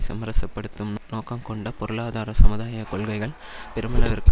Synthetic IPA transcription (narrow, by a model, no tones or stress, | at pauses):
sɐmɐɾɐsɐpːɐɽɯt̪ːɯmnoːkɐmkɔɳɖɐpɔɾɯɭaːðaːɾɐsɐmɯðaːjɐkɔɭɣɐɪɣɐɭ | pɛɾɯmɐnɐʋɐɾk